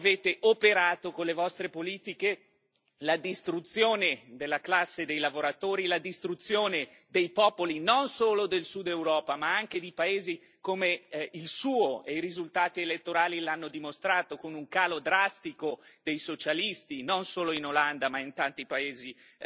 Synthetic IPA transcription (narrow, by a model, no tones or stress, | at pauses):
aveːt̪eʔopeɾaːt̪okonlevɔst̪ɾepoliːt̪ike | lad̪ist̪ɾut̪sːjoːned̪elːaklasːed̪ejlavoɾat̪oːɾilad̪ist̪ɾut̪sːjoːne | d̪ejpɔːpolinonsoːlod̪elsud̪ewɾɔːpamaaŋk̟ed̪ipaeːzi | komeilsuːoeiɾizult̪aːt̪ielet̪ːoɾaːlilanːod̪imost̪ɾaːt̪okonuŋkaːlod̪ɾast̪ikod̪̥ejsot͡ʃalist̪inonsoːloinoland̪amaint̪ant̪ipaeːzi